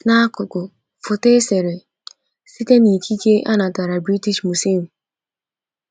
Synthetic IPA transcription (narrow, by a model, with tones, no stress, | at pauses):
na˦a˦kʊ˨kʊ˨ | fʊ˨te˦se˨ɾe˨ | si˦te˦ni˨kʰi˦ke˦ʔa˦na˨ta˨ɾa˨bɾi˦ti˦ʃmu˨si˦˨m̩˨